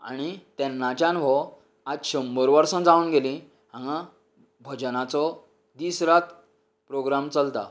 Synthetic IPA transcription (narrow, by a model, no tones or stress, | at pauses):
a̰ɽ̃it̪ɛnːat͡ɕjãnʋɔ | ad̪ɕəmbəɾʋəɾsə̃d͡zauːnɡelĩ | ɦãŋɡã | bʱəd͡ʑnat͡sɔ | d̪isɾat̪ | pɾoɡɾamt͡səlt̪a̰